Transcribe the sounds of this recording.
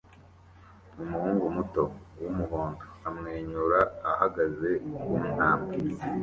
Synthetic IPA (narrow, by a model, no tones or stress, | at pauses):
umuhuːŋɡumuto̞wumuɦoːndoamŋe̞ːɲuɾaːhaɡaze̞wun̥haːmɡe